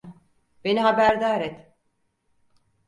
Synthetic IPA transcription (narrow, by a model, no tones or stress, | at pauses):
be̞niɦabæɾd̪aːɾɛt̪